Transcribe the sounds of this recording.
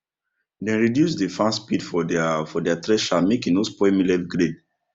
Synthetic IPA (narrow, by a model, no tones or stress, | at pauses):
dɛ̃nɹidjus̬defãnspidfɔfɔdɛatɾɛʃamekĩnospɔɛmilɛtɡɾed